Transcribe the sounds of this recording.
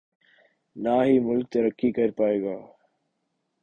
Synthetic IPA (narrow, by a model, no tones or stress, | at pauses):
naːɦiːmʊlk̚t̪ɐɾəkʰːiːkɐɾpaːeːɡaː